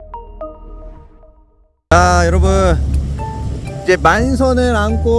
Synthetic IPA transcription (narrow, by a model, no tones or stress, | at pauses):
t͡ɕajʌɾʌbun | id͡ʑe̞mans̬ʰʌnɯɾankʰo